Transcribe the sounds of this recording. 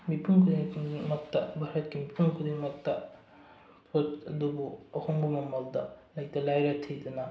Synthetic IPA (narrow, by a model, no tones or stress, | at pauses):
mipʰuŋkʰud̪iŋmɐtːɐbʱaɾɐt̚kimipʰuŋkʰud̪iŋmɐk̚tːɐ | pʰotɐdubuɐhoŋbumɐmɐldɐlajtɐlajɾɐtʰijdɐnɐ